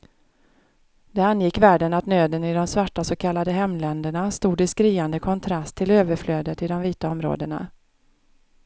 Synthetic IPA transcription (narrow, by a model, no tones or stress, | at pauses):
d̪̥ɛanjɪkːvæːɖənat̪nøːd̪ənɪd̪ɔmsvaʈːasoːkʰalːad̪əɦɛmːlɛnd̪əɳast̪uːd̪ɪskɾiːand̪əkʰɔnt̪ʰɾast̪ʰːɪløːvəɾfløːd̪ət̪ɪd̪ɔmviːt̪aɔmɾo̰ːd̪əɳa̰